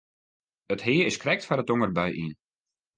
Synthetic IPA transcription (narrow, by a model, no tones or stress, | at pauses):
əthɪːəɪskrɛk̚tfaɾət̚oŋərbœjʔḭn